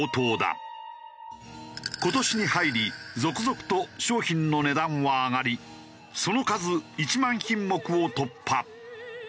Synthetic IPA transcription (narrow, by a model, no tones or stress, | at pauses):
ot̪o̞ːd̪a̰ | ko̞t̪o̞ɕiɲ̟ihaiɾʲizo̞kɯ̟zo̞kɯ̟̥t̪o̞ɕo̞ːçĩnno̞ne̞d̪ãɰ̃βaːŋaɾʲi | so̞no̞kazɨit͡ɕimãɰ̃çĩmːo̞kɯ̟o̞t̪o̞pʰːa